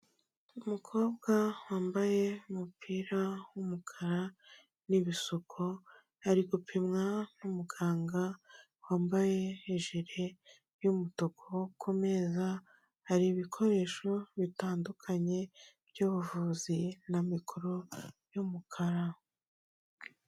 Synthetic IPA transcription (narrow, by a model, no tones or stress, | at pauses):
umukʰo̞ːbɡawaːmbaje̞umupʰiːɾawumukʰaɾa | niβisokʰo̞ | haɾiɡupʰimŋanumuɡaːŋɡa | waːmbaje̞iʒiɾe̞ | jumutokʰokʰume̞za | haɾiβikʰo̞ɾe̞ːʃo̞βitaːndukʰaɲe̞bɟoːβuvuːzinamikʰoɾo̞jumukʰaɾa